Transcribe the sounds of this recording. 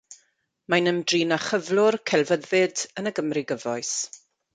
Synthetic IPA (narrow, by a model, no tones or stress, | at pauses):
manəmdriːnaχəvlˠʊrkʰɛlˠvəðɪdənəɡəmriɡəvɔɨs